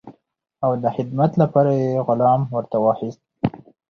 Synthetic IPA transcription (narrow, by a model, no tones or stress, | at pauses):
awd̪əxɪd̪mat̪lapɑɾajeɣʊlɑmwəɾt̪awɑxist̪̚